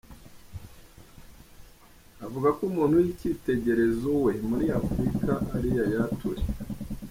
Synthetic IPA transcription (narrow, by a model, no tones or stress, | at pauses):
avuɡakumuːn̥hujicite̞ɟe̞ɾe̞zowe̞muɾiafɾikaʔaɾijajatʰṵɾe